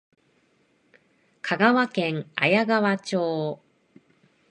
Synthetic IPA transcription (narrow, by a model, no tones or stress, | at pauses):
kʰaɡaβakẽ̞ŋa̰jaɡaβat͡ɕoː